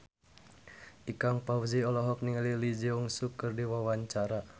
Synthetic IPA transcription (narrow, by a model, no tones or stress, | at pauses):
ʔikaŋpawziɔlɔɦɔk̚niŋalilid͡ʒiuŋsukːɨrdiwawaɲt͡ʃaɾa